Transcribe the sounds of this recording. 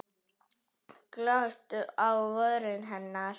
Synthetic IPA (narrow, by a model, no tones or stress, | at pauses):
klœst̪ʏʔawvœðɾɪnɦɛnːaɾ̥